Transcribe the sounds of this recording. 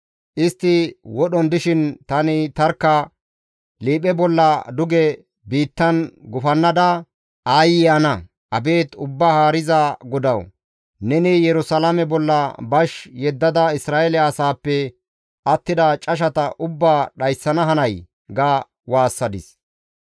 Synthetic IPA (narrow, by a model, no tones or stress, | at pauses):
ʔɪst̪ːɪwɔɗɔnd̪ɪʃɪnt̪ɐnɪt̪ɐɾkːɐ | liːpɛbɔlːɐd̪ʊɡɛ | biːt̪ːɐnɡʊfɐnːɐd̪ɐ | ʔaːjɪjɐnɐ | ʔɐbe̞ːt̪ʊbːahaːɾɪzaɡɔd̪ɐw | nɛnɪjɛɾʊsɐlamɛbɔlːɐbɐʃjɛd̪ːɐd̪ɐɪsɾaːelɛɐsaːpːɛ | ʔɐt̪ːɪd̪ɐt͡ʃʼɐʃ̬ɐt̪ɐʔʊbːaːɗɐjsːɐnɐɦɐnɐj | ɡaː | waːsːɐd̪ɪs